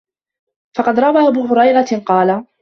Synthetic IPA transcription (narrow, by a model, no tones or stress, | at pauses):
fɑqɑd̪ɾˤɑbaːʔabuːɦʊɾɑjɾɑqɑːla